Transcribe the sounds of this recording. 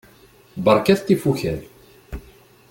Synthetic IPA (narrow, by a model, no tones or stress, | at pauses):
bəɾˤkæθt̪ːifuçæɾ